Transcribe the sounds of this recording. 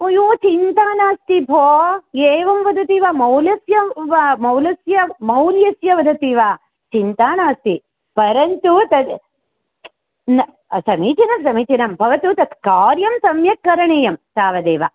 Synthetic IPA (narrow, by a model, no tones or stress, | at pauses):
ujuːt͡ʃint̪aːnaːst̪ibʱoːeːʋɐmʋɐd̪ɐt̪iːʋaːmɐwlɐsjɐʋamɐwlɐsjɐmɐwljɐsjɐʋɐd̪ʱɐt̪iːʋaː | t͡ʃint̪aːnaːst̪i | pɐɾɐnt̪ut̪ɐt̪ | n | sɐmiːt͡ʃinɐmsɐmiːt͡ʃinɐmbʱɐʋɐt̪ut̪ɐt̪ʰkaːɾjɐmsɐmjɐkːɐɾɐɳeːjɐmsaːʋɐd̪eːʋa̰ː